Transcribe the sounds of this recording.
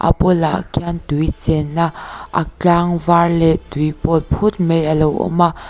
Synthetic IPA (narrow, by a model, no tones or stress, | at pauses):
ʔa̰pɔlaʔkʰant̪ujt͡sɛnaʔa̰kaŋvarlɛt̪ujpɔt̚pʰʊt̚mejalowɔ̰ma